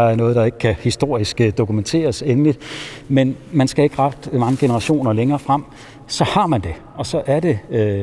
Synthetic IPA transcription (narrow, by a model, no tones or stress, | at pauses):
ɑæɐnɔ̽ːðˠd̥ɑ̈e̝ɡ̥ə̥kʰæhisd̥o̝ɐ̰isɡ̥əd̥o̝kument͡sʰe̝̰ːɐsenlid̥menmænsɡ̥æe̝ɡ̥əʁɑ̈d̥mɑ̈ŋəɡ̥e̝nəʁɑ̈ɕo̝̰ːnɐleŋɐːfʁɑm̰ | sɒ̽hɑ̈mænd̥e̝ | ʔɒ̽sɒ̽ʔæɐd̥e̝